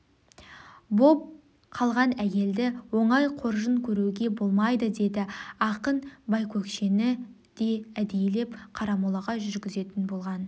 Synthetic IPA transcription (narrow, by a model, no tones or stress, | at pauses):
bo̞p̚ | qʰɑlˠʁɑnæjʲe̞ld̪ɪwo̞ɴɑjqʰo̞ɾʒəŋkʲʰɵɾuwɡʲe̞bo̞lˠmɑjd̪əd̪e̞d̪ɪɑqənbɑjkʲʰɵkʃe̞nɪ | d̪̥e̞æd̪e̞jle̞pqʰɑɾɑmulˠɑʁɑʒʏɾɡʲɪze̞t̪ɪnbo̞lˠʁɑn